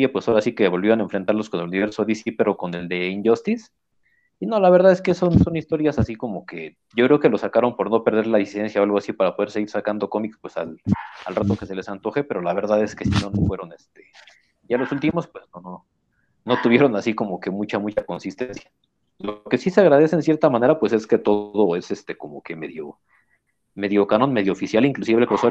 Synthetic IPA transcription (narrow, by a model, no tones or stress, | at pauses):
jepwesoɾasikeβo̞lβiane̞ɱfɾent̪aɾlo̞sko̞neluniβe̞ɾsoðisipe̞ɾo̞ko̞ne̞ld̪e̞inɟost̪is | ino̞laβ̞e̞ɾðaðeske̞so̞nso̞nist̪o̞ɾjasasiko̞mo̞ke̞ | ɟ͡ʝo̞kɾe̞oke̞lo̞sakaɾo̞npo̞ɾno̞pe̞ɾð̞e̞ɾlaðisiðe̞nsjaoalɣ̞oasipaɾapo̞ð̞eɾse̞ɣiɾsakand̪o̞ko̞mikspwe̞sa̰lalrat̪o̞ke̞se̞le̞sant̪o̞xepe̞ɾo̞laβ̞e̞ɾðaðe̞ske̞sino̞no̞fwe̞ɾo̞nest̪e̞̥ | ʝalo̞sult̪imo̞spwe̞znono | no̞t̪uβje̞ɾo̞nasiko̞mo̞ke̞mut͡ʃamut͡ʃako̞nsist̪e̞nsjḁ | loke̞siseaɣ̞ɾað̞e̞seːnsje̞ɾt̪amane̞ɾapwe̞se̞ske̞t̪o̞ðo̞ese̞st̪e̞ko̞mo̞ke̞me̞ðjo̞ | me̞ðjo̞kano̞nme̞ðjofisjaliŋklusiβekoso